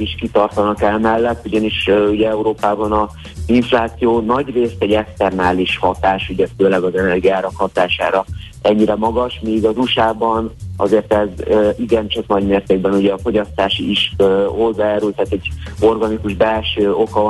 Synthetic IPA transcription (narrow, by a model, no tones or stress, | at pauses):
iʃkit̪ɒrt̪ɒnɒkɛlmɛlːɛt̪ːuɟɒniʃuɟɛɛuɾoːpaːbɒnɒ | ziɱflaːt̪sijoːnɒɟreːst̪ɛɟɛkst̪ɛrnaːliʃhɒt̪aːʃuɟɛføːlɛɡɒzɛnɛrɡiaːɾɒkhɒt̪aːʃa̰ːɾɒ | ɛɲːiɾɛmɒɡɒʃmiːɡɒzuʃaːbɒnɒ̰zeːrt̪ɛzøːʔiɡɛnt͡ʃɒknɒɟmeːrt̪eːɡ̚bɛnuɟɛɒfo̞ɟɒst̪aːʃiiʃøːho̞zːaːjaːɾylt̪aːt̪ɛɟo̞rɡɒnikuʒbɛlʃøːo̞kɒ